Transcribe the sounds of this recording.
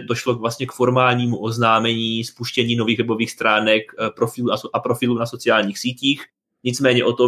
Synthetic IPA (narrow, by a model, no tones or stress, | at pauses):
doʃlokvlast̪ɲɛkfo̞ɾmaːlɲiːmuʔo̞znaːmɛɲiːspuʃcɛɲiːno̞viːɣvɛbo̞viːxst̪ɾaːnɛkpɾofɪluːnasʔapɾo̞fɪluːnaso̞t͡sɪaːlɲiːxsiːciːx | ɲɪt͡smɛːɲɛʔo̞t̪o